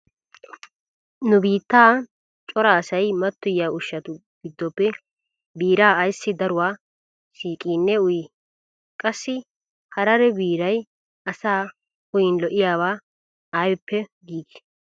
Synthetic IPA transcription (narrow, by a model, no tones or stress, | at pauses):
nʊbiːt̪ːaː | t͡ʃʼɔɾaːsɐjmɐt̪ːʊjːaːʊʃːɐt̪ʊ | ɡ̥ɪd̪ːɔpːɛ | biːɾaːjsːɪd̪ɐɾʊwaː | siːkʼiːnːɛʊjɪ | kʼɐsːɪ | hɐɾɐɾɛbiːɾɐj | ɐsaː | ʊjɪnlɔʔɪjaːwaː | ajɛpːɛɡiːɡ̪ɪ̥